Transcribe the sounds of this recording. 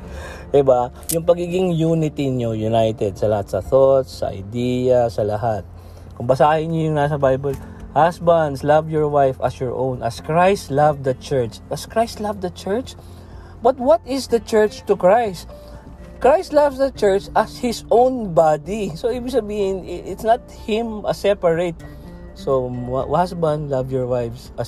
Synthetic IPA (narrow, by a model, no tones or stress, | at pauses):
ʔɛba | jʊŋpɐɡiɡɪŋjuːnɪt̪ɪɲojʊnajt̪ɛd̪̚sɐlɐhat̪̚sɐθot̪sɐ̰ʔɐ̰jd̪iːjɐsɐlɐɦat̪̚ | kʊŋbɐsaːhɪɲojʊŋnas̬ɐbajbɐl | hasbɐnd̪slavjɔɹwajfɐ̰sjɔɹʔõwnɐskɹajst̪lavd̪ɐt͡ʃɛɹt͡ʃɐskɹajst̪lavd̪ɐt͡ʃɛɹt͡ʃ | bɐt̪̚wɔt̪ɪsd̪ɐt͡ʃɛɹt͡ʃt̪ʊkɹajst̪ | kɹajst̪lavsd̪ɐt͡ʃɛɹt͡ʃɐshɪsõwnbad̪isoibɪsɐbiːhɪ̃nʔɪt̪snɐt̪̚hɪ̃mʔɐsɛpɐɹet̪̚ | sohasbãnd̪lavjɔɹwajfsɐ